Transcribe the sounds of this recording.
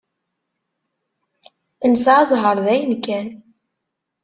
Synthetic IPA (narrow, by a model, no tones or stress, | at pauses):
ənsaʕæzˤɦəɾˤðæjənkːæn